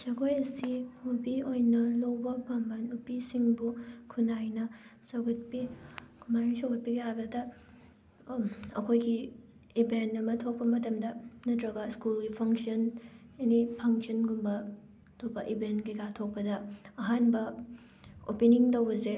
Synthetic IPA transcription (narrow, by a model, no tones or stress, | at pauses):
sɐkʰojɐsimubiojnɐlowbɐbambɐnupisiŋbukʰunajnɐsɐɡɐt̚pikʰumaɾisoɡɐt̚piɡɐjabɐdɐ | ɐ̰kʰojɡi | ibentːɐmɐtʰok̚pɐmɐtɐmdɐnɐtɾɐɡɐskulɡipʰɐŋsiɐnɐnipʰɐŋsɐnɡumbɐ | tʰobɐʔibentɡiɡatʰok̚pɐdɐɐɦanbɐ | opiniŋtɐwɐze